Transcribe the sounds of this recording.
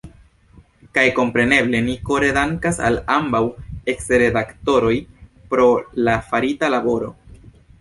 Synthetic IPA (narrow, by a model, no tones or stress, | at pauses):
kajko̞mpɾe̞ne̞ble̞niko̞ɾe̞daŋkasa̰lambawe̞ksɾe̞dakto̞ɾo̞jpɾo̞lafaɾitalabo̞ɾo̞̰